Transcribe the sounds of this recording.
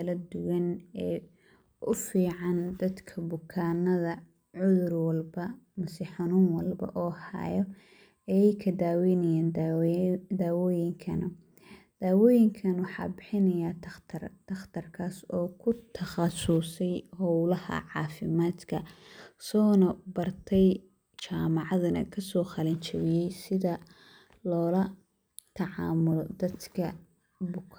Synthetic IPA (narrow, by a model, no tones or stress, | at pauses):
kʰɐlɐd̪ʊwɐnɛː | ʔʊfiːʕɑnd̪ɐd̪kʰɐbʊkʰaːnːɐðɐ | ʕʊðʊrwɐlbɐmɐsɪħʊnuːnwɐlbɐ̰ʔɔːha̰jɔ | ɐjɛjkʰɐd̪aːwinɐjaːnd̪ | d̪aːwɔːjɪŋkʰɐnɐ | d̪̥aːwɔːjɪŋkʰɐnwɑħɑ̰ːbɪħɪnɐjaːt̪ʰt̪ʰrt̪ɐxt̪ʰɐrkʰaːsɔːkʰʊt̪ʰɐχɑsʊsɛjhɔwlɐhɐ̰ʕɑ̰ːfɪmaːd̪kʰɐsɔːnɐbɐrt̪ʰɛj | t͡ʃaːmɑʕɑðɐnɐ̰kʰɐsɔːχɑlɐnt͡ʃɐβɪjɛjsɪðɐ | lɔːlɐ | t̪ʰɑʕɑ̰ːmʊlɔd̪ɐd̪kʰɐ | bʊkʰ